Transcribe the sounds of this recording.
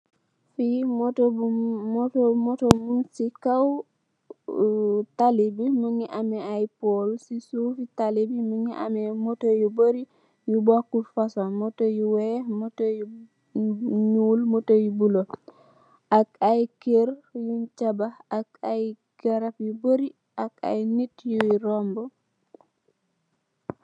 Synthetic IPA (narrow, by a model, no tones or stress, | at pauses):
fimɔtoumɔtomɔtomunsikaw | talibiməŋiʔamɛajpolsisufitalibiməŋiʔa̰mɛmotojuboɾi | jubakːufasanmɔtojuwɛmotoju | ɲuːlmotojubulo | ʔakajkeɾjuɲt͡ʃabaakaj | ɡ̥aɾapjuboɾi | aka̰jnitjuɾɔmbɔ